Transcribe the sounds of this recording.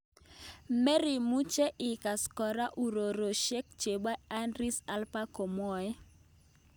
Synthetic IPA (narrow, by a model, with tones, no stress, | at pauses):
mɛ˦ɾi˨mu˦t͡ʃe˦ʔɪ˨ka˨skɔ˨ɾa˦ʔu˨ɾo˨ɾo˨ʃe˦k̚t͡ʃe˨ba˦a˦ndɾi˦sa˦lpa˦ko˨mɔ˨ɛ˦